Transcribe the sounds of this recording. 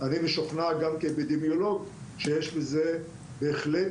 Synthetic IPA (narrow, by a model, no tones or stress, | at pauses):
animeʃoχnaɡamkebed̪emjoloɡʃejeʃbeze | beːχle